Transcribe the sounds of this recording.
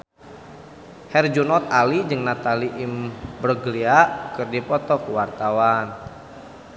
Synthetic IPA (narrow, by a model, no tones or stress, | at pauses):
hɛrd͡ʒunɔt̪̚alid͡ʒɨŋnat̪aliʔimbɾəɡliaʔkɨrdipɔt̪ɔkəwart̪awan